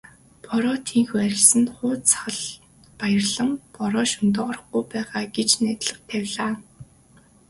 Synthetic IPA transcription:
pʰɔɾɔːt̪ʰiŋxuæɾʲɪ̆ɮsɘ̆nχʊːtt͡sə̆ɮ | pajərɮə̆mpɔɾɔːʃʊnt̪̬ɔːʁɔɾə̆χɡujpæːʁaːɡet͡ɕnæːt̪ɮə̆χ̚t̪ʰæwʲɮaː

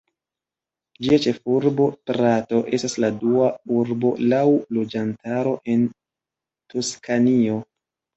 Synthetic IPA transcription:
d͡ʒiat͡ʃe̞fuɾbo̞pɾato̞ʔe̞stasladuauɾbo̞̰lawlo̞d͡ʒantaɾo̞ʔe̞n | toskʰanio̞

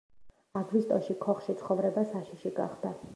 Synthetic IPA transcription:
aɡvist̪ʼɔʃikʰɔχʃit̪sʰχɔvɾɛbasaʃiʃiɡa̰χd̪a

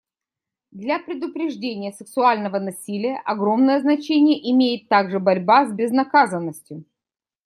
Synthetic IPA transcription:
d̪lʲapɾʲɪd̪ʊpɾʲɪʐdʲenʲɪjəsɨksʊalʲnəvənɐsʲilʲɪjəʔɐɡɾo̞mnəjəznɐt͡ɕenʲɪjəʔɪmʲejɪt̪ːaɡʐɨbɐɾʲbazʲbʲɪznɐkazənːəsʲtʲjʊ

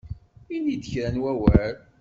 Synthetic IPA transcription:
inid̪əçɾænwæwæl

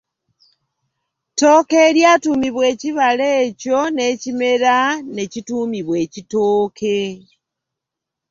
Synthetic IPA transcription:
to̞ːkeːɾjaːtuːmiβwe̞ːciβaleːco̞ne̞cime̞ɾane̞cituːmiβwe̞ːcitoːkʰe

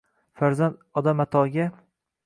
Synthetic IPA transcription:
faɾzand̪ɒd̪amat̪ʰɒɡʲa

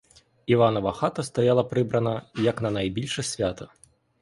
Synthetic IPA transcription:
ivanɔvɐxat̪ɐst̪ɐjalˠɐpɾɨbɾɐnɐjɐknɐnɐjbʲilʲʂɐsʲvʲat̪ɐ

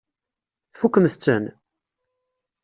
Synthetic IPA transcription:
θfukːəmθət͡sːə̰n

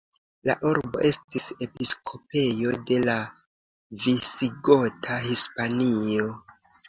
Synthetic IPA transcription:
la̰ʔuɾbo̞̰ʔe̞stise̞piskʰo̞pe̞jo̞de̞la | visiɡo̞tʰahispanio̞

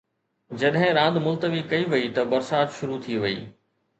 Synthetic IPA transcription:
d͡ʑɐɗɦɪ̃ɾãːnd̪mʊlt̪əʋikɐiʋɐit̪ɐbɐɾsaːt̪ʃʊɾut̪ʰiʋɐḭː

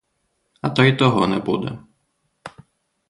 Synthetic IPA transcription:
ɐt̪ɔjt̪ɔɦɔnɛbud̪ɛ̰

